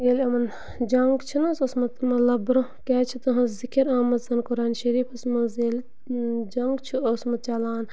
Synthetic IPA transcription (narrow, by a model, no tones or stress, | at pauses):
eːlʲɐmɐn | d͡ʒɐŋɡt͡ʃʰinɐsosmɐt̪mɐlɐbɾɐkʲaːt͡ʃʰit̪ɐɦɐ̃zikɐɾaːmɐzɐnkuɾaːnʃɐɾiːfɐsmɐzeːl | d͡ʒɐŋɡt͡ʃʰuosmɐt̪̚t͡ʃaːlaːn